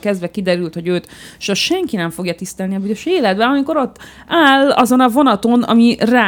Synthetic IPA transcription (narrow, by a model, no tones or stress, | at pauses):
kɛzd̪ʋɛkid̪ɛɾylt̪ho̞ɟøːt̪ʃɒʃɛŋkinɛɱfo̞ɡjɒt̪ist̪ɛlniɒbyzøʃeːlɛd̪bɛɒmiko̞ɾo̞t̪ː | aːlɒ̰zo̞nɒvo̞nɒt̪o̞nɒ̰miraː